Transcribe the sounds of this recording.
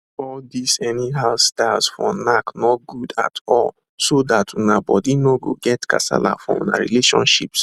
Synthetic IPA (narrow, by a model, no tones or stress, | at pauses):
ɔldisɛniɦastaɪlsfɔnaknɔɡ̥uda̰tʰɔl | sodatʰunabɔdinoɡoɡɛtkʰa̰sa̰la̰fɔṵna̰ɹḭleʃɔ̰̃nʃips